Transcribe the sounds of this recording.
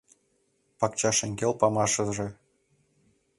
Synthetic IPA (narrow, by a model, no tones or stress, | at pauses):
pɑkt͡ɕɑʃĕŋɡʲelpɑmɑʃɤ̆ʒĕ